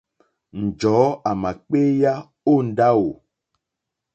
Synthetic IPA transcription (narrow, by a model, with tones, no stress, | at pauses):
n̩˨d͡ʒɔː˨˦a˨ma˨k͡pe˦ja˦ | o˦˨n̩˨˦da˦wo˨